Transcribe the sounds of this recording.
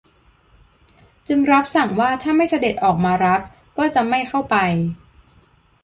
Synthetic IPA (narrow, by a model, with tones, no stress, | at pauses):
t͡ɕɯ˧ŋɾa˦˥p̚sa˨˩˦ŋwaː˥˩t̪ʰaː˥˩ma˥˩jsa˧de˨˩t̪̚ʔɔː˨˩k̚maː˧ɾa˦˥p̚ | kɔː˥˩t͡ɕa˨˩ma˥˩jkʰa˥˩wpa˧j